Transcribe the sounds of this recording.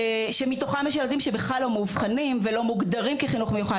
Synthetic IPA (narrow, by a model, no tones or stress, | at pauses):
ʃemit̪oχameʃ̬jalad̪imʃebeχlalːo̞muvχanimvelo̞muɡd̪aʁimkiχinuχmejuχa